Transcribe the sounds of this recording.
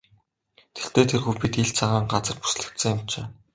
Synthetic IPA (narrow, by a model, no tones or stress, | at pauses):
t̪ʰe̥ɬt̪eːt̪ʰerxuːpit̪iɮt͡sʰaʁaːŋɢat͡sə̆rpu̥sɮɘ̆kt̪sɘ̆ŋjam̥t͡ɕḛː